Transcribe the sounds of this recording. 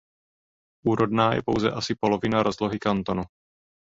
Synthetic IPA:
ʔuːɾo̞dnaːjɛ̰powzɛ̰ʔasɪpo̞lo̞vɪnaɾo̞zlo̞ɦɪkant̪onu

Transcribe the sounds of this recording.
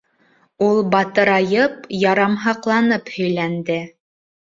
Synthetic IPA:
ulˠbɑt̪ɤɾɑjɤpjɑɾɑmɦɑqlˠɑnɤphɵ̆jlænd̪ɘ

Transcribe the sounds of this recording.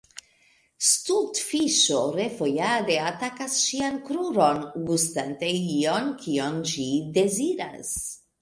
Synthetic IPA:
st̪ut̪fiʃoɾefojad̪eat̪akasʃiankɾuɾonɡust̪ant̪eionkʰionʒid̪eziɾa̰s

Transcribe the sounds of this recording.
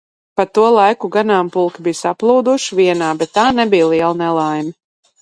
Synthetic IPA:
pat̪uɔlˠajkuɡanaːmpulˠkʲibijsaplˠuːd̪uʃiviɛnaːbɛt̪ːaːnɛbijlˠiɛlˠnɛlˠajmi

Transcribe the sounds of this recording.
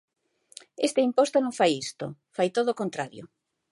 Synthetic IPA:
est̪eimpost̪onõŋfajist̪ofajt̪oðoːkont̪ɾaɾjo̰

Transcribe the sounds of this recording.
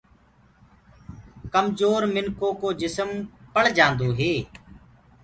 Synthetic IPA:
kəmzoːɾmɪnkoːkoːd͡ʒɪsəmpəɭ̤d͡ʒãːnd̪oːɦeː

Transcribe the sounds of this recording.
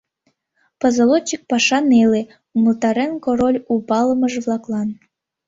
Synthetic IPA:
pəzɤ̆lot͡ɕːik̚pɑʃɑnele | məlt̪ɑɾenkoɾolʲupɑlə̆məʒβlˠɑklˠɑn

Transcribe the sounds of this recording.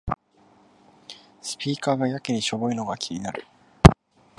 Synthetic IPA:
sɨ̥pʲiːkaːɡajakɯɲ̟iɕo̞boi̟no̞ɡakʲʰiɲ̟ʲinaɾɯ̟

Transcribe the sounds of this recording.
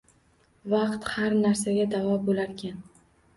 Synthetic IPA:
vɑqt̪haɾnaɾsaɡʲad̪avɒbolaɾkʲʰan

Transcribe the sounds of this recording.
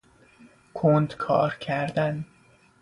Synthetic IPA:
kʰond̪kʰɒ̰ːɾcʰæɾd̪æn

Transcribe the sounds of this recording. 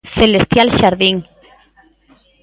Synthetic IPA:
θelest̪jalʃaɾðiŋ

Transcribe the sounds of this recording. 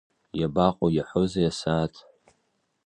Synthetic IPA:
jabaqʼojaħʷozajasaːtʰʼ

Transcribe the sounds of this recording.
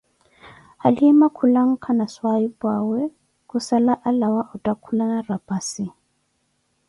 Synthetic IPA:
haliɛmakʰulaŋ̩kʰanaswaibwawɛ | kʼusalaʔalawaʔutʼakʰulanarapʼasi

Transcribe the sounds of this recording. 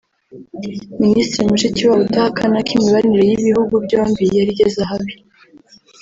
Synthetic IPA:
ministɾimuʃiciβaβutahakanakimiβaɾiniɾe̞jiβihuɡubɟoːmbijaɾiɟezaɦaβi

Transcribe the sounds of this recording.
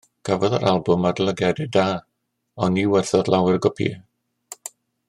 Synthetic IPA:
ɡ̥ʰavɔðəɾʔalˠbʊmadlˠəɡɛdɪdaː | ɔniwɛrθɔðlˠawɪrɡɔpʰḭɛ

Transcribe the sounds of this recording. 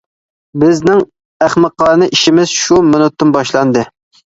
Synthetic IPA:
bɪznɪŋ | æχməqːɑːɾnɨʔiʃimɪz̥ʃumonut̪ːɨnbɑʃlˠɑnd̪ɨ

